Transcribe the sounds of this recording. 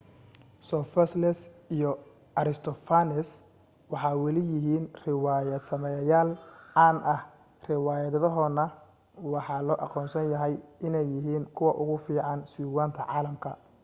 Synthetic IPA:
sɔfɛslɛsijɔ | ʔɐɾɪst̪ʰɔfanɛs | wɑħɑːwɛlɪjɪɦiːnrɪwaːjɐd̪sɐmɛjjaːlaːnʔɐh | rɪwɑːjɐððɔɦɔːnɐ | wɑħɑːlɔːʔɑ̰qɔːnsɐnjɐɦɛjɪnɛjːɪɦiːŋkʰʊwɑʔʊɣʊfiːʕɑnsiːwaːnt̪ʰɐʕɑːlɐmkʰɐ̰

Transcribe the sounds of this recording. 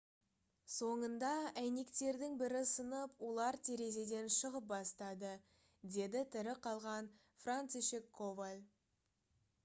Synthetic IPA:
so̞ɴənd̪ɑæjne̞kt̪e̞ɾd̪ɪŋbɪɾɪsənəpwo̞lˠɑɾt̪ʰeɾe̞ze̞d̪e̞nʃəʁəp̚bɑst̪ɑd̪ə | d̪e̞d̪ɪt̪ʰɪɾɪqʰɑlˠʁɑn | frant̪siʃekʰːovalʲ

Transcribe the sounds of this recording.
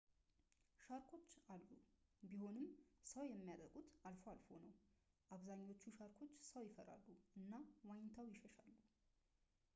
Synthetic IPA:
ʃaɾkʰo̞t͡ʃːalːubiho̞nɨmsəwjɛmːijad̪əɾɡʼut̪alfoalfo̞̰nəw | ʔaβzaɲːo̞t͡ʃːuʃaɾkʰo̞t͡ʃːsəwjɪfəɾa̰lːuʔɨnːawajɪnt̪ʰawjɪʃəʃalːu

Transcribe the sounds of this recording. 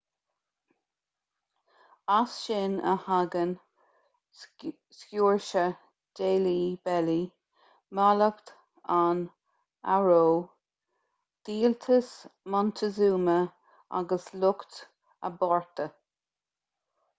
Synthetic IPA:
asʃɪnə̰haɡən | skjuːɹʃə | d̥eːliːbɛli | maləkt̪ | an | aɹoː | d̪̥iːlt̪ʰəsmɔntʰəzuːmə | a̰ɡəslʊkt̪ | ə̰bɔɹt̪ʰə

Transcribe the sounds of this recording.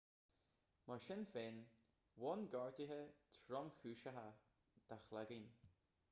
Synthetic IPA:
maʃɪnfeːn | wɔnɡɔɹt̪iɦət̪ʰɾɔmxuːʃəɦa | d̪̥axlaɡin

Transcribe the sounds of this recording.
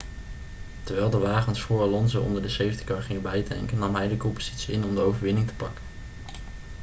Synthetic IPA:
təɹʋɛlˠdəʋaːχənsfʊːɹɑlɔnzəʔɔ̰ndəɹdəsejəntə̥kɑːɹχɪŋəbɛjdɛ̰ŋkənːɑmɦɛjdəkɔmpoz̥itsiɪnɔmdəowvəɹʋɪnɪŋtə̥pɑkə̥n

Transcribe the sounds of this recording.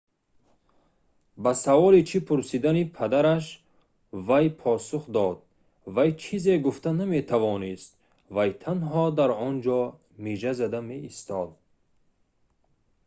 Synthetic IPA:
basavɔlit͡ʃʰipʰuɾsid̪anipʰad̪aɾaʃ | vajpʰɔsuχd̪ɔd̪̥̚ | vajt͡ʃʰizeɡuft̪aname̞t̪ʰavɔnist̪̚ | vajt̪ʰanɦɔd̪aɾɔnd͡ʒɔ | miʒazad̪ameist̪ɔd̪̚

